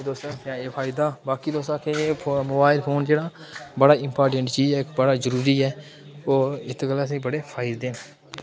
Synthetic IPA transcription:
d̪oːst̪ãːpãːeːpʰaːɪd̪aːbaːkiːd̪oːst̪ãːkeːmoːbaːɪlpʰoːnd͡ʒeːɽaːbəɽaːɪmpaːɾʈə̃ɳʈt͡ʃiːzɛːkbəɽaːzəɾuːɾiːɛː | oːɪt̪ʰkəlaəs̬ĩːbəɽeːpʰaːɪd̪d̪ẽː

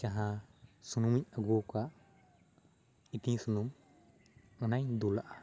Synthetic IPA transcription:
t͡ʃaɦasunumiɲaɡuka | it̪iŋsunum | ɔnajd̪ulaʔa

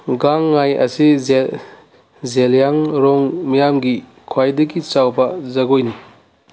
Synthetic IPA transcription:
ɡaŋːajɐ̰si | zeljaŋɾɔŋmajamɡi | kʰwajdɐɡit͡ʃawbɐzɐɡojni

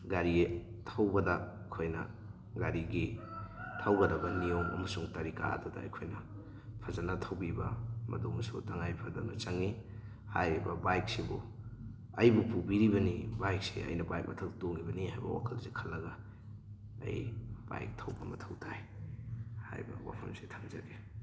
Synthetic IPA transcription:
ɡaɾitʰɐwbɐdɐ | kʰojnɐ̰ | ɡaɾiɡitʰɐwɡɐdɐbɐnijomɐ̰mɐsuŋtɐɾika̰ɐ̰dodɐ̰ːjkʰojnɐ | pʰɐzanɐtʰɐwbibɐmɐ̰domsutɐŋajpʰɐdanɐt͡ʃɐŋi | ha̰jɾibɐbajk̚sibu | ɐjbupubiɾibɐnibajk̚sḛɐ̰jnɐbajk̚mɐtʰɐktoŋibɐnihajbɐ̰wa̰kʰɐlsekʰɐlːɐɡɐ | ɐ̰jb̥a̰jk̚tʰɐwbɐmɐtʰɐwtʰaj | ha̰jbɐ̰wa̰pʰɐmse̥tʰaŋzɐɡe

